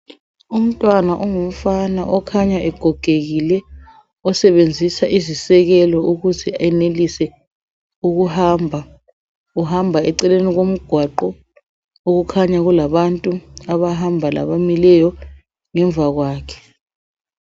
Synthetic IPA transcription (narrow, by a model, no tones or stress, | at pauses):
um̩tʼwanaʔɔŋum̩fanaʔɔkʰaɲaʔɛɡ̥ʱɔɡ̥ʱeɣilɛ | ɔsɛβend͡zʱisaʔizisɛɣɛlɔuɣuzʰiaɛnelisɛ | uɣuhambʱa | uhambʱaɛǀɛleniɣom̩ɡ̥ʱwaǃɔ | oɣukʰaɲaɣulaβantʼuaβaɦambʱala̰βamilɛjɔ | ŋɛɱbvʱaɣwaːkʰɛ̥